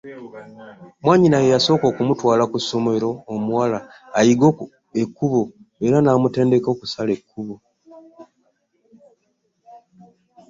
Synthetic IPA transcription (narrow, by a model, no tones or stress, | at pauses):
mwaːɲinajejaso̞ːko̞ːkumutwaːlakuso̞me̞ɾo̞ːmuwalaː | jiɡok | ekːuβoeɾanaːmute̞ːnde̞ko̞ːkusale̞kːuβo